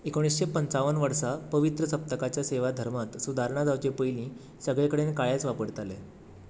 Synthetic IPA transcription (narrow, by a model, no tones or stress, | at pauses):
ekoɽ̃isɕepənt͡saʋənʋəɾsapəʋit̪ɾəsəp̚t̪əkat͡ɕjaseʋad̪ʱəɾmat̪sud̪ʱaɾɳ̃ad͡zaʋt͡ɕepəjlĩː | səɡɭekəɽenkaɭjat͡sʋapəɽt̪ale